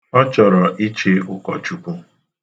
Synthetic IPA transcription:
ɔ˦t͡ʃɔ˨ɾɔ˨ʔi˦t͡ʃe˦ʊ˦˨kɔ˨t͡ʃu˨ku˦

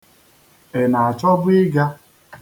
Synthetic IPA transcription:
e˨na˨a˨t͡ʃɔ˦bʊ˦ɪ˦ɡa˦

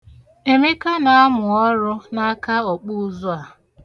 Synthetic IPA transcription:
e˨me˦ka˦na˨a˦mʊ˨ɔ˦ɾʊ˦na˦ka˦ɔ˨k͡pʊ˦˨zʊ˦a˨

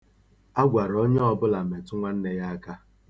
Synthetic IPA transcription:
a˦ɡʷa˨ɾɔ˦ɲ˦ɔ˦bʊ˦la˨me˨tʊ˦ŋʷa˦n̩˦ne˦ja˦ka˦

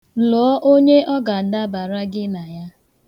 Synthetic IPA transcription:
lɔː˨˦ʔo˦ɲe˦ʔɔ˦ɡa˨a˨da˦ba˨ɾa˦ɡɪ˦na˨ja˦

